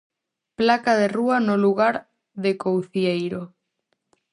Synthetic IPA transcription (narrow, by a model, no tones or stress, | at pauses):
plakaðeruanoluɣaɾ | ðekowθjejɾo